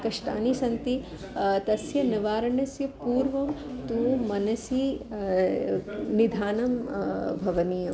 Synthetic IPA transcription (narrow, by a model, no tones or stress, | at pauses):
kɐʂʈa̰ːnisɐnt̪i | t̪ɐsjɐnɐʋaːɾɐɳɐsjɐpuːɾʋɐmt̪umɐnɐsi | nid̪ʱaːnɐmbʱɐʋɐniːjɐ